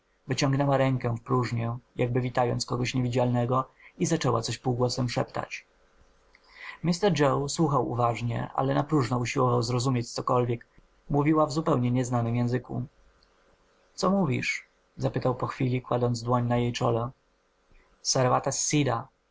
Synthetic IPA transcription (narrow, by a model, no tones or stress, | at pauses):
vɘt͡ɕɔ̃ŋɡnɛwaɾɛŋkɛfpɾuʐɲɛjaɡ̚bɘvʲit̪ajɔ̰ntskɔɡɔɕɲevʲid͡ʑalnɛɡɔizat͡ʂɛwat̪sɔɕpuwɡwɔsɛmʂɛpt̪a̰t͡ɕ | mʲist̪ɛɾd͡ʐɛwswuxawṵvaʐɲɛ̰ʔa̰lɛnapɾuʐnɔuɕiwɔvawzɾɔzumʲjet͡ɕt̪sɔkɔlvʲjɛk | muvʲiwavzupɛwɲɛɲɛznanɘmjɛ̃zɘkṵ | t̪sɔmuvʲḭʂ | zapɘt̪awpɔxfʲilʲikwad̪ɔnd̪zd̪wɔɲnajejt͡ʂɔlɛ | saɾvat̪asʲːid̪a